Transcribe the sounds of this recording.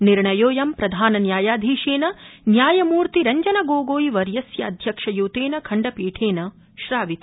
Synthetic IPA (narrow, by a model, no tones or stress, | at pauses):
niɾɳɐjoːjɐmpɾɐd̪ʱaːnɐnjaːjaːd̪ʱiːʃeːnɐnjaːjɐmuːɾt̪iɾɐɲd͡ʒɐnɐɡoːɡoːjiʋɐɾjɐsjɐɐd̪ʱjɐkʂɐjuːt̪eːnɐkʰɐɳɖɐpiːʈʰeːnɐ | ʃɾaːʋit̪